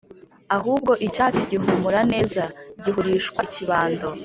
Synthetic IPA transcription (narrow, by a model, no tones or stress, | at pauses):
aɦuːb̚ɡo̞ʔicaːciɟimumuɾane̞ːzaɟiɦuɾiːʃkwaciβaːndo̞